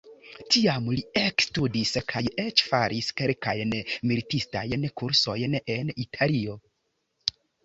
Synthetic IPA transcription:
tiamliekstudiskʰaje̞t͡ʃfaɾʔiskeɾkajnmilitista̰jnkuɾso̞jne̞nitʰalio̞

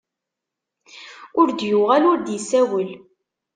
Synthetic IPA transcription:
ʊɾd̪juʁælʊɾd̪jəsːæwəl

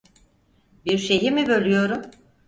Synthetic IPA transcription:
biɾʃe̞jimibø̞lʲyjo̞ɾum

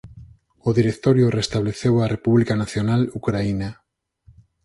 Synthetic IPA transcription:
oðiɾekt̪oɾjorest̪aβleθewarepuβlikanaθjonalukɾaina

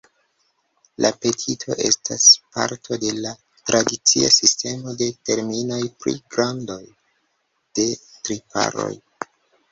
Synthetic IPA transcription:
lʔape̞tʰitʰo̞̰ʔe̞̰stʰaspa̰ɾtʰo̞de̞la | tɾadit͡siasiste̞mo̞de̞te̞ɾmino̞jpɾḭɡɾando̞j | d̥e̞tɾipa̰ɾo̞̰j

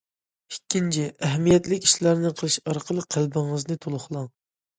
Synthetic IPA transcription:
ikʲːint͡ʃʰiæɦmijɛt̪lɪkʲi̥ʃlæɾnɪqʰəlˠɨʃɑɾqʰəlˠəqʰːælbɪŋəznɨt̪ʰolˠʊχlˠɑŋ

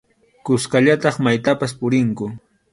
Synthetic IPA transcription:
kʊskaʎat̪ɑχmajt̪apaspʊɾɪŋkʊ

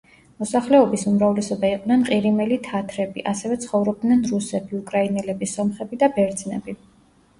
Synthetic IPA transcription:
mɔsaχlɛɔbisumɾavlɛsɔbaiqʼnɛnqʼiɾimɛlit̪ʰat̪ʰɾɛbḭʔasɛvɛt̪sʰχɔvɾɔb̚d̪nɛnɾusɛbiukʼɾainɛlɛbisɔmχɛbid̪abɛɾd̪znɛ̰bi

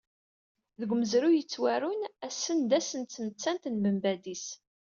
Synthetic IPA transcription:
ðəɡʷməzɾujət͡sːwæɾʊnæsːənd̪æsənt̪ːnət͡sːænt̪nbəmbæd̪is

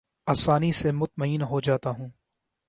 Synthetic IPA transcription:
aːsaːnisemʊt̪̚məiːnɦod͡ʒaːt̪aɦũː

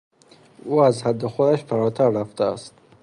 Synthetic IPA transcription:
uazhad̪ːɪχʊd̪aʃfaɾɔt̪ʰaɾɾaft̪ʰaːst̪

